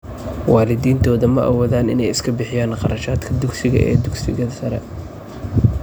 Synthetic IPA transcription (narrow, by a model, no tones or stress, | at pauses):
wɑːlɪd̪iːnt̪ʰɔːðɐmɐʔɐ̰wɔːðaːnɪ̰nɛjɪskʰɐbɪħɪjaːnqɑɾɐʃaːd̪kʰɐd̪ʊɡsɪɣɐ̰ʔɛ̰ːd̪ʊɡsɪ̰ɣɐðɐsɐɾɛ̰